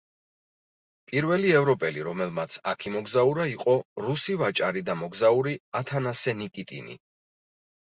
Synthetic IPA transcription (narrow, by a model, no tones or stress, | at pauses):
pʼiɾvɛliɛvɾɔpʼɛliɾɔmɛlˠmat̪sʰa̰kʰimɔɡzauɾaiqʼɔɾusivat͡ʃʼaɾid̪amɔɡzauɾiat̪ʰanasɛnikʼit̪ʼḭnḭ